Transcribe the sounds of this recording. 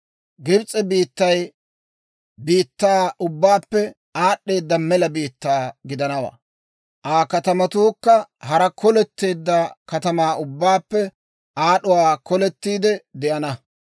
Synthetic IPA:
ɡɪbt͡sʼːɛbiːt̪ːɐj | biːt̪ːaːʊbːaːpːɛ | aːɗːe̞ːd̪ːɐmɛlɐbiːt̪ːaːɡɪd̪ɐnɐwa̰ː | ʔaːkɐt̪ɐmɐt̪uːkːɐhɐɾɐkʰɔlɛt̪ːeːd̪ːɐkɐt̪ɐmaːʊbːaːpːɛ | ʔaːɗʊwaːkɔlɛt̪ːiːd̪ɛd̪ɛʔɐnɐ

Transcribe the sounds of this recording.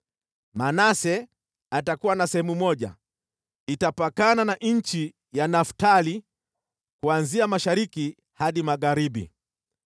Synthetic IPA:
manasɛ | atakuwanasɛhɛmumɔʄa̰ | itapakananaɲ̩t͡ʃi | janaftali | kuanziamaʃaɾiki | haɗimaɣaɾiɓḭ

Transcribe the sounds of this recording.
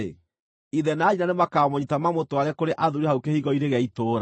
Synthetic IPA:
ḛ | iðɛnaːinanemakamoɲitamamotowaɾɛkoɾeʔaðuɾeɦaukehiɣɔiɾeɣɛitoːɾa

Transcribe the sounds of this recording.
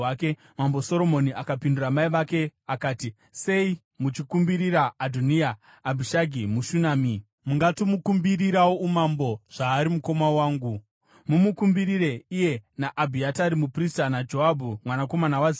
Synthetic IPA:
ake | mamboso̞ɾo̞mo̞niʔakapinduramaiʋake̞akaːti | se̞i | mut͡ʃikumbiɾiɾaːdʱonijaː | bʱiʃaɡʱimuʃunaːmi | muŋɡatomukumbiriɾawoumambo̞ʐ̥aːɾimuko̞mawaːŋɡu | mumukumbiɾiɾe̞ije̞naʔabʱiataɾimupristanad͡ʒoɦabʱumwanako̞manawaz

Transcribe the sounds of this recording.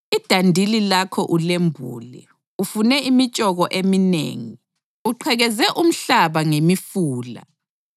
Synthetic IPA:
id̥ʱandʱililakʰɔʔulembʱṵːlɛ̰ | ufunɛimit͡ʃʼɔɣɔʔeminḛːŋi | uǃʰɛɣɛzɛʔum̩ɬaβaŋemifuːla̰

